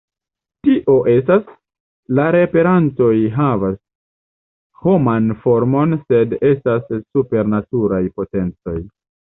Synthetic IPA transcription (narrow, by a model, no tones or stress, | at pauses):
tiʔo̞ʔe̞stas | laɾe̞pe̞ɾanto̞jɦavas | ho̞manfo̞ɾmo̞nse̞de̞stasːupe̞ɾnatuɾajpo̞te̞nt͡so̞̰j